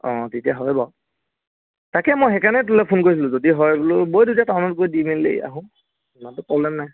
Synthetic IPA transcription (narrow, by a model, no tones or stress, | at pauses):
ɔ̃titiaɦɔjbɔ | takɛmojɦɛkanɛtulɛpʰʊnkoɹisʰilʊ̃zodiɦɔjbulobojdutatawnɔtɡojdimelːḛa̰ɦʊ̃ | mantʊpɹɔblɛmnaj